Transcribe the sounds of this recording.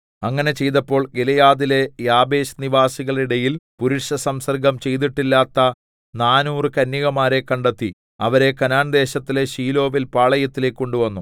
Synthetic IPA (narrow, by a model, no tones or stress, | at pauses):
ɐŋːɐne̞t͡ɕe̞jt̪ɐpːo̞ːɭɡelɐjaːðile̞jaːbe̞ːɕniʋaːsiɣɐɭiɽɐjilpuɾuʈʂɐsɐmsɐrɡɐmt͡ɕe̞jt̪̬iʈːilːaːt̪ːɐ | naːnuːrɨkɐnːiɣɐmaːɾe̞kːɐɳɖet̪ːi | ɐʋɐɾe̞kɐnaːnd̪e̞ːɕɐt̪ːileɕiːlo̞ːʋilpaːɭɐjɐt̪ːile̞ːkːo̞ɳɖuʋɐnːu